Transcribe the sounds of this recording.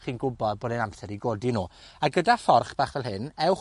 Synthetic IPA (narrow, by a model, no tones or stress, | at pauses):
χiːnɡʊbɔðboːdɛnamsɛɾiɡoːdinuː | aɡədafɔrχb̥aːχvɛlˠɦɪnɛwχ